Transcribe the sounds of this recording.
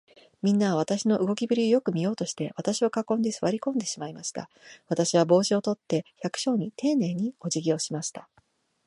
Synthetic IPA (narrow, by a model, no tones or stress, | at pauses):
mʲĩnːaβaβ̞at̪aɕino̞ʔɯ̟ɡo̞kʲibɯ̟ɾʲiojo̞kɯ̟mʲijo̞ːt̪o̞ɕi̥t̪e̞βat̪aɕio̞kakõ̞nd̪e̞sɨβaɾʲikõ̞nd̪e̞ɕimaimaɕi̥t̪a̰β̞at̪aɕiβ̞abo̞ːɕio̞t̪o̞t̪ːe̞çakɯ̟̥ɕo̞ːɲ̟it̪e̞ːne̞ːɲ̟io̞ʑiɡʲio̞ːɕimaɕi̥t̪ḁ